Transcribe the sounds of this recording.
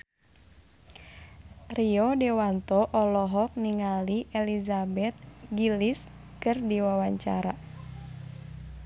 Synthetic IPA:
riɔdɛwant̪ɔʔɔlɔɦɔk̚niŋaliʔɛlizabɛt̪̚ɡilis | kɨrdiwawaɲt͡ʃa̰ɾa

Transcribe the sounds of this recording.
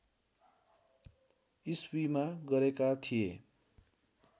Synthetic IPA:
iswimaɡʌɾekat̪ʰijḛ

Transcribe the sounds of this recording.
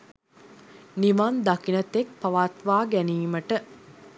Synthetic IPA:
niʋand̪akinət̪ek̚pɐʋat̪ʋaːɡæniːməʈə

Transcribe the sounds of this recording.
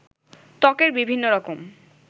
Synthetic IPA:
t̪ɔkeɾbibʱinːoɾɔkom

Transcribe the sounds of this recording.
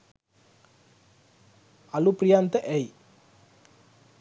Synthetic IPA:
ɐlupɾijant̪əʔej

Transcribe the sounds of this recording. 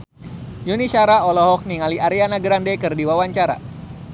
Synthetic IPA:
junisaɾaɔlɔɦɔk̚niŋaliʔaɾianaɡɾandɛkɨrdiwawaɲt͡ʃaɾa̰

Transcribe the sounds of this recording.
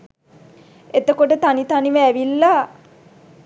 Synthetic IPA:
et̪əkoʈət̪anit̪aniʋəæʋilːa

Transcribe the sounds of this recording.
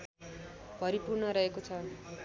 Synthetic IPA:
bʱʌɾipurnʌɾʌɦekot͡sʰʌ

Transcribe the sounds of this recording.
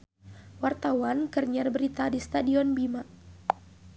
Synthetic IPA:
wart̪awankərɲərbəɾit̪adist̪adiɔnbima

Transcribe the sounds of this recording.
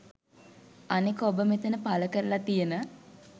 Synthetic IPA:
anekəobəmet̪ənəpaləkəɾəlat̪ijənə

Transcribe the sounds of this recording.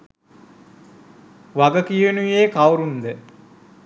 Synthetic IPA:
ʋaɡəkijənujeːkawɾund̪ə

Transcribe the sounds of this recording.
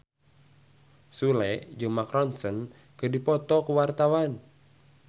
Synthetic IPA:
sulɛd͡ʒɨŋmakɾɔnsən | kɨdipɔt̪ɔkuwart̪awan

